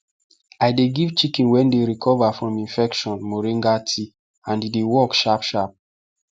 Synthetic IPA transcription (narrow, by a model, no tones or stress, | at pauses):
ajdeɡiv̥t͡ʃikĩnwɛ̃ndeɹikʰɔvafɹɔ̃mĩnfɛkʃɔ̃nmoɹĩŋɡatʰi | ãndedewɔkʃapʃap̚